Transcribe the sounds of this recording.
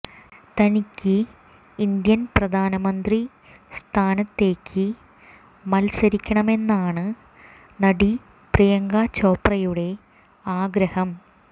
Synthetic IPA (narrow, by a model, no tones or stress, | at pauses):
t̪ɐnikʲːɨ | ind̪jɐnprɐd̪ʱaːnɐmɐnd̪ri | st̪ʰaːnɐt̪ːe̞ːkʲʰːɨ | mɐlsɐɾikʲːɐɳɐme̞nːaːɳɨ | nɐɽi | prijɐŋɡaːt͡ɕːoːprɐjuɽe̞ | aːɡɾɐhɐm